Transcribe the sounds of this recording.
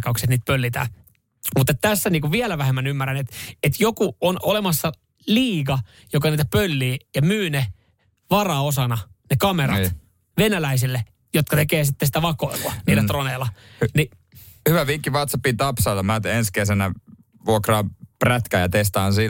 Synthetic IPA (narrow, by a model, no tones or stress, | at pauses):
kːɑuksiet̪niːt̪̚pølːit̪æ̰ː | mut̪ːˑet̪t̪æsːæniːŋkuʋʋielæʋæhemːænymːærænet̪et̪jokuonolemɑsːɑ | liːɡ̥ɑ | jokɑniːt̪æpølːiːjɑmyːne | ʋɑrɑosɑnɑ | nekɑmerɑ̰t̪ | ʋenælæisilːe | jot̪kɑt̪ekeːsit̪ːesi̥t̪æʋɑkoiluɑniːlːˑæt̪roneːlːɑni | hyʋæʋikːiʋɑt̪sɑpːit̪ɑpsɑːlɑmæt̪enskesænæ | ʋuokrɑːpræt̪kæːjɑt̪est̪ɑːnsi